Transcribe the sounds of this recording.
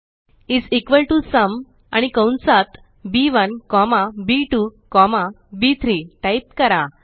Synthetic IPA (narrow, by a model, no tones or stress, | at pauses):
id͡zikʋəlʈusəm | a̰ɽ̃ikə̃wnsat̪ | biʋənkɔmabiʈukɔma | bit̪ʰɾiʈaip̚kəɾa